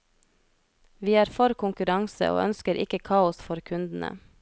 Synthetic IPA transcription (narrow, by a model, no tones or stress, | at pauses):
ʋiːæːɾfɔɾkʰʊŋkʉɾɑŋsə̰ʔo̰ːʔœ̰nskəɾʔɪ̰kəkʰɑːʊsfɔɾkʰʉnd̪n̩ʔə̰